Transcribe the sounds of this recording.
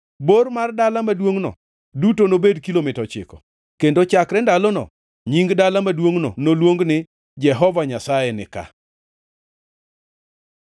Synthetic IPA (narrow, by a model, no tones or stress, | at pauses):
bormardalamadwoŋnɔ̰ | dutonobedkilomɪtɔt͡ʃɪ̰kɔ̥̰ | kendot͡ʃakɾɛndalɔnɔ̰ | ɲiŋɡdalamadwoŋno̰nolwoŋɡnɪ | d͡ʒɛɦɔvaɲasajɛnɪ̰ka̰